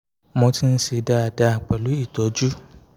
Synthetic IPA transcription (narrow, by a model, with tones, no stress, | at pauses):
mɔ̃˧˦tĩ˦n̩˦si˧˦da˦a˨da˦a˨k͡pa˨lu˨˦i˦˨tɔ˨˦d͡ʒu˦